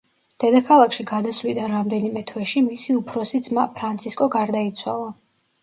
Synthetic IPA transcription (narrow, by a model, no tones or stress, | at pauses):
d̪̥ɛd̪akʰalˠakʰʃiɡad̪asvlid̪anɾamd̪ɛnimɛt̪ʰwɛʃimisiupʰɾɔsid̪zmapʰɾant̪sʰiskʼɔɡaɾd̪ait̪sʰwa̰lˠa